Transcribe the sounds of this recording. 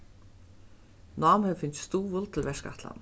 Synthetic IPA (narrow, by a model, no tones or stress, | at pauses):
naːmhɛvfɪn̥t̪st̪uːvʊlt̪ʰɪlvɛʂka̰ht̪la̰n